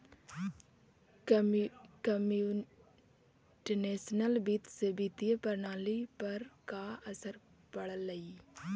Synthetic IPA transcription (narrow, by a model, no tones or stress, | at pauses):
kəmu | ʈəneːsnəlbit̪sebit̪ijəpəɾnaːlipəɾkaəsəɾ | pəɽəlːəiː